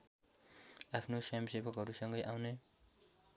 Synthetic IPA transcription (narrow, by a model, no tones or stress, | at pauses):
apʰnosamsebʌkɦʌɾusʌŋɡʌjʔawne